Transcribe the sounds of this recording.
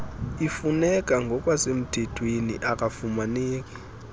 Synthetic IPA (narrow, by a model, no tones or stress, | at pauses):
ifunɛkʼaŋɡʱɔkʼwasem̩tʰetʰwenḭʔakʼafumaneːk̬ʼɛ̥